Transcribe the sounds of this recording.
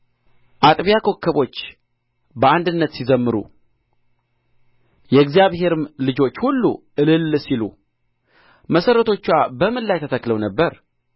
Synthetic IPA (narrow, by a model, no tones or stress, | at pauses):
ʔat̪ʼβijakʰo̞kʰːəβo̞t͡ʃː | bəand̪ɨnːət̪sizəmːɨɾṵ | jɛɡzjaβhe̞ɾɨmlɨd͡ʒo̞t͡ʃːhulːṵʔɨlɨlsilu | məsəɾːət̪ʰo̞t͡ʃːwabəmɨnlːajt̪ʰət̪ʰəkːləwnəbːəɾ